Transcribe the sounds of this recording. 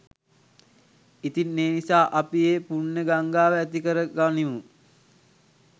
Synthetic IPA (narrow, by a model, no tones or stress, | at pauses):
it̪inːeːnisaːʔapieːpunːəɡaŋɡaːʋəæt̪ikəɾəɡaniʋu